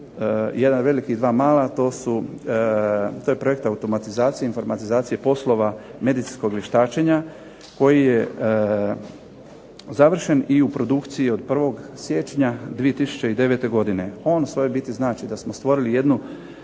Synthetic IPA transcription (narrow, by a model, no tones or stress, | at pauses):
je̞d̪anʋe̞likid̪ʋaːmaːlat̪o̞ːsu | t̪oːje̞pɾo̞je̞kt̪aut̪o̞mat̪izaːt̪sijeinfo̞ɾmat̪izaːt̪sije̞po̞slˠo̞ʋame̞d̪it̪insko̞ɡlʲjeʃt̪aːt͡ʃe̞ɲa | ko̞jije | zaʋr̩ʃe̞niupɾo̞d̪ukt̪sijio̞d̪̚pr̩ʋo̞ɡsje̞t͡ʃɲad̪ʋie̞t̪isu̥t͡ɕe̞id̪e̞ʋe̞t̪e̞ɡo̞d̪ine̞o̞ːnsʋo̞jobit̪iznaːt͡ʃid̪asmost̪ʋo̞ɾilije̞d̪nu